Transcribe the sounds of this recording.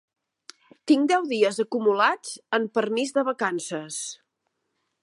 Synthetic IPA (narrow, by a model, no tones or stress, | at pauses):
t̪iŋd̪ɛwðiəzəkumulad͡zəmpərmizðəβəkansəs